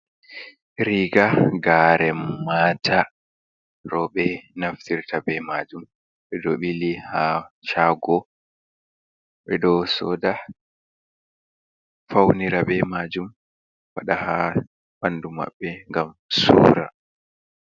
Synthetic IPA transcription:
ɾiɡaɡaːɾɛmːaːtʰa | ɾɔɓɛnaftiɾtʰabɛmad͡ʒum | ɓɛdɔɓilihaʃaːɡɔ | ɓɛdɔsɔda | fawniɾabɛmaːd͡ʒum | waɗaha | ɓanduma̰ɓːɛŋɡam | sṵːɾa

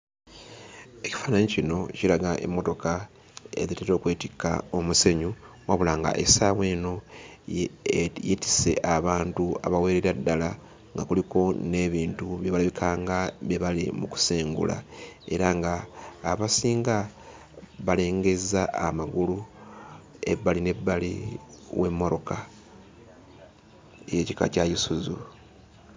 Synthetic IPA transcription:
e̞ci̥fanaɲicino̞cilaɡaʔḛmːo̞to̞ka | e̞̰ðiteto̞ːkweːtikːa̰o̞muse̞ɲu | waβulaːŋɡa̰ʔḛsaːwe̞ːno̞ | jeti̥se̞ʔaβaːntua̰βawe̞ːɾeɾadːala | ŋɡakuliko̞ne̞βiːntuβjeβaliβikʰaːŋɡaβjeβalḭmuku̥seːŋɡṵla̰e̞ɾaŋɡaːβasiːŋɡa | βale̞ːŋɡe̞zaːmaɡulu | e̞̰bːaline̞bːaliwe̞mːo̞ɾo̞ka | ejocika̰cajisuzṵ

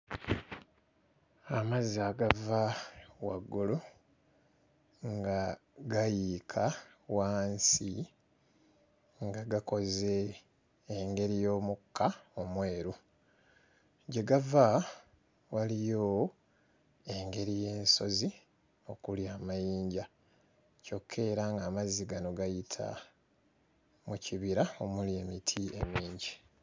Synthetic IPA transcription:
amazaːɡavawaɡːulu | ŋɡaɡajikʰa | waːnsi | ŋɡaɡako̞ze̞ː | ŋɡe̞ɾijo̞ːmukːaomwe̞ːɾu | ɟe̞ɡava | walijo | e̞ŋɡe̞ɾije̞ːnso̞zi | o̞kuljaːmajiːɲɟa | co̞kʰːe̞ːɾaŋɡaːmaziɡano̞ɡajitʰa̰ | muciβiɾao̞mulje̞mitʰie̞̰miːɲɟi

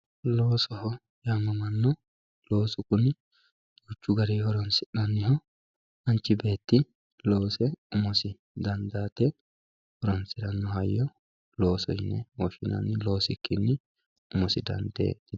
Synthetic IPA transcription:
lo̞ːsɔhɔ | jamːɐmɐnːɔ | lo̞ːsʊkʊnɪ | dʊt͡ʃːʊɡɐɾihɔɾɔnsɪᶑɐnːɪhɔ | ɐnt͡ʃːɪbe̞ːt̪ːɪ | lo̞ːsɛʊmɔsɪ | d̪ɐnd̪aːt̪ɛ | hɔɾɔnsɪɾɐnːɔhɐjːɔ | lo̞ːsɔjɪnːɛ̰wɔʃɪnɐ̰nːɪlo̞ːsɪkːɪnːɪ | ʊmɔsɪd̪ɐ̰nd̪ḛːt̪ːɪ

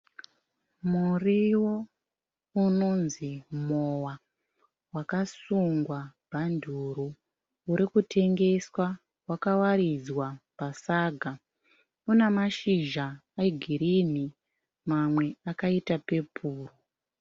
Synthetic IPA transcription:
muriwo̞ | uno̞nzimowa | wakasuŋɡwabʱandʱuɾuː | ɾikutʰe̞ŋɡe̞swa | wakawaɾid͡zwapasaɡʱa | unemaʃiʒaːiɡʱiɾini | mamwe̞akaitape̞pʰuːru

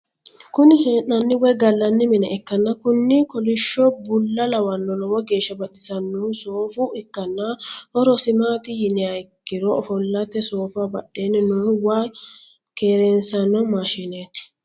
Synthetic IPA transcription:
kʊnɪheːʔɐnːɪwɔjɡɐlːɐnːɪmɪnɛɛkːɐnːɐkʊnːɪkɔlɪʃːɔbʊlːɐlɐwɐnːɔlɔwɔɡe̞ːʃːɐbɐɗɪsɐnːɔsoːfʊɪkːɐnːɐhɔɾɔsɪmaːt̪ɪjɪnɪɐjkːɪɾɔɔfɔlːɐt̪ːɛsoːfʊabɐɗːeːnːɪnɔwaː | keːɾɛnsɐnːɔmaːʃɪneːt̪ɪ̥

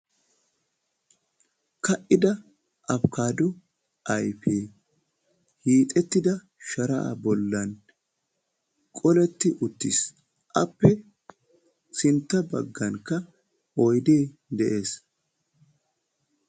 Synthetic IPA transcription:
kɐʔɪd̪ɐ | ʔɐfkaːd̪ʊ | ʔɐjpʰeː | hiːt̪ʼɛt̪ːɪd̪ɐ | ʃɐɾɐʔa̰bɔlːɐn | kʼɔlɛt̪ːɪʔʊt̪ːḭs | ʔɐpːɛ | sɪnt̪ːɐbɐ̰ɡːɐŋkːɐ | ɔjd̪eː | d̪ɛʔe̞ːs

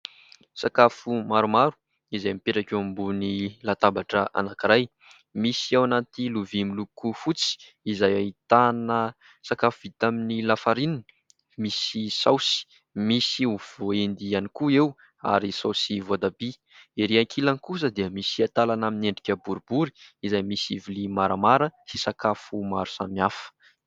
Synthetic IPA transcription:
sakafumaɾumaɾu̥ | izajmipeʈ͡ʂakʲewambunilat̪abaʈ͡ʂəʔa̰nakiɾaj | misiawanat̪iluvimilukufut͡si̥ | izajait̪anə | sakafuvit̪aminilafaɾinin | misisawsi̥ | misiuv̥oend̪ianikuew | a̰ɾisawsivod̪abi | eɾiaŋkʰilankus̬əd̪eəmisiat̪alanamineɳɖ͡ʐikʲəbuɾubuɾi̥ːzajmisivilimaɾamaɾəsisakafumaɾu̥samiafə̥

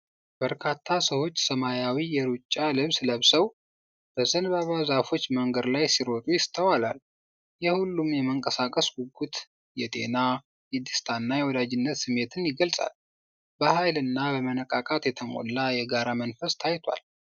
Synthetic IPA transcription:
b̥əɾkʰat̪ʰːasəwo̞t͡ʃːsəmajawijɛɾut͡ʃʼːalɨβsləβsəw | b̥əzənbaβazafo̞t͡ʃːməŋɡəd̪lajsiɾo̞t̪ʼujɪst̪ʰəwalal | jɛhulːumjɛməŋkʼəsakʼəsɡuɡut̪ | jɛt̪ʼe̞̰na | jɛd̪ɨst̪ʰanːajɛwɔd̪ad͡ʒɪnːət̪sɨmːe̞t̪ʰɨnjɪɡəlsʼa̰l | b̥əhajlɨnːabəmənəkʼakʼat̪jɛt̪ʰəmo̰lːajɛɡaɾamənfəst̪ʰajt̪ʰwa̰l

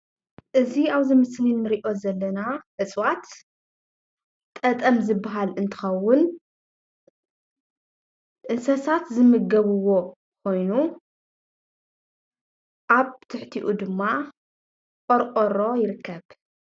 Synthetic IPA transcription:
ʔɨziaβzɨmɨslinːɨɾiʔo̞zɐlːɐnaʔɨt͡sʼwat̪ | t̪ʼɐt̪ʼɐmzɨbːaɦalɨnt̪ʰɨ̥xɐwːʊn | ʔɨnsɐsat̪zɨmɨɡɐβɨwo̞ | kʰo̞jnu | ʔaβt̪ʰɨħt̪ʰiʔud̪ɨmːa | kʼoɾʔʼoɾo̞jɪɾɨkːɐβ

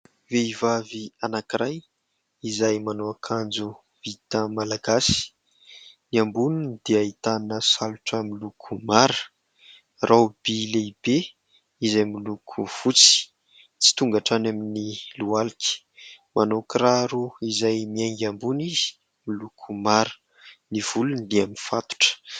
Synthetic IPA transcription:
veivavianakiɾaj | izajmanoakʰand͡zu | vit̪əmalaɡasi̥ | niambunund̪̥eait̪anəsaluʈ͡ʂəmilukʰumaɾə̥ | rʔawb̥ileib̥e | izajmilukʰuv̥ut͡si̥ | t͡si̥t̪uŋɡaʈ͡ʂanaminilualikʲi̥ | manokɾaɾuizajmiaŋɡʲambuniz̥i̥ | milukʰumaɾə̥ | niv̥ulund̪eaminfat̪u̥ʈ͡ʂə̥

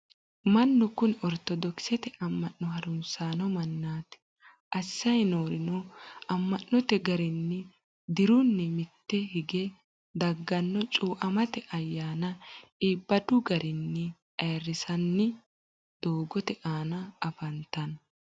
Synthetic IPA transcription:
mɐnːɔkʊnɔɾt̪ɔd̪ɔksɛt̪ɛʔɐmːɐnːɔhɐɾʊnsaːnɔmɐnːaːt̪ | ʔɐsːɐjnoːɾɪnɔɐmːɐnːɔt̪ɛɡɐɾɪnːɛ | d̪ɪɾʊnːɛmɪt̪ːɛhɪɡɛ | d̪ɐɡːɐnːɔt͡ʃʼuːʔɐmɐt̪ɛʔɐjːaːnɐʔibːɐd̪ʊɡɐɾʔɪnːɛ | ɐːrːɪsɐnːɪ | d̪̥oːɡɔt̪ɛʔaːnɐɐfɐnt̪ːɐn

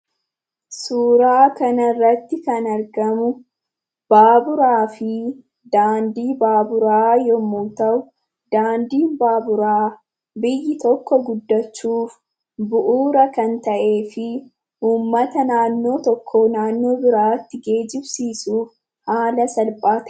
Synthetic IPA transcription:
suːɾaːkɐnɐrːɐt̪ːɪkɐnɐɾɡɐmʊ | b̥aːbʊɾaːfɪ | d̪aːnd̪iːbaːbʊɾaːjɔmːuːt̪ɐʔʊ | d̪̥aːnd̪iːnbaːbʊɾaː | bɪjːɪt̪ɔkːɔɡʊd̪ːɐt͡ʃːuːf | bʊʔuːɾɐkɐnt̪ɐʔe̞ːfɪ | uːmːɐt̪ɐnaːnːo̞ːt̪ɔkʰːoːnaːnːo̞ːbɪɾaːt̪ːɪɡe̞ːd͡ʒɪbsiːsuːf | haːlɐsɐlpʼaːt̪

